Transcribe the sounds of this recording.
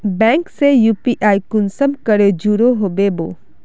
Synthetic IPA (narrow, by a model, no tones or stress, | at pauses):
bɛ̃ːŋksejuːpiʔaːikʊnsəmkəɾed͡ʒuɾoɦoːbeboː